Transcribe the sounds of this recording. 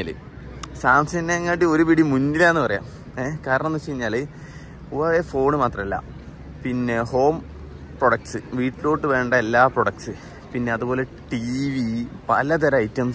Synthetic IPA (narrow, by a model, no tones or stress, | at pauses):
alɨ̰ | saːmsɐnːeːŋːaːʈːio̞ɾupiɽimunːilaːnːɨpɐrɐja̰ːm | ekaːɾɐɳɐnːut͡ɕejiɲːaːlɨ | uʋaːʋeːfo̞ːɳɨmaːt̪rɐmelːa̰ːm | pinːe̞ho̞ːm | proɽɐk̚ʈsɨʋiːʈːilo̞ːʈːɨʋe̞ːɳɖɐelːaːproɽɐk̚sɨ | pinːe̞ɐðubo̞ːle̞ | ʈiʋipɐ̰lɐt̪̬ɐɾɐɐjitːɐm